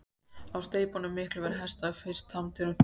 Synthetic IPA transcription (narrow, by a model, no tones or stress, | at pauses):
awst̪eːjpɔnʏmːɪhklʏvɛɾɦɛjst̪aɣfɪ̥st̪hamt̪ʰɪɾʏ